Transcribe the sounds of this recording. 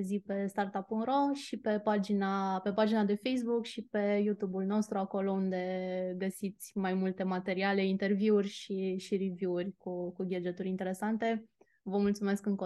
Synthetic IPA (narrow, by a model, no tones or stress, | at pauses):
zipe̞st̪art̪apːunɾo̞ʃipe̞pad͡ʒinape̞pad͡ʒinad̪e̞fejs̬bukʃipe̞jut̪ubulno̞st̪ɾuako̞lo̞und̪e̞ɡəsit̪sʲmajmult̪e̞mat̪e̞ɾiale̞int̪e̞rviurʲʃiʃiɾivuurʲkukuɡʲed͡ʒet̪uɾʲint̪e̞ɾe̞sant̪e̞ | vəmult̪sume̞skɨŋko